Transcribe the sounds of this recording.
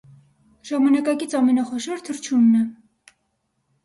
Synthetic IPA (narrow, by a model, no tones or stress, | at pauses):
ʒ̥ɑmɑnɑkɑkit͡sʰɑmɛnɑχɔʃɔɾt̪ʰəɾt͡ʃʰunːɛ